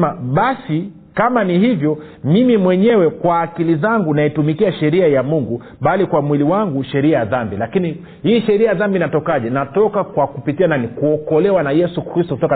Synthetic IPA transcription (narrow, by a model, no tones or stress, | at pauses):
maɓasi | kamanihivjɔ | mimimwɛɲɛwɛkwaːkilizaŋɡunaitumikiaʃɛɾiajamuŋɡu | ɓalikwamwiliwaŋɡuʃɛɾiajaðambilakini | hiːʃɛɾiajaðambinatɔkaʄɛnatɔkakwakupitiananikuɔkɔlɛwanajɛsukɾistɔkutɔka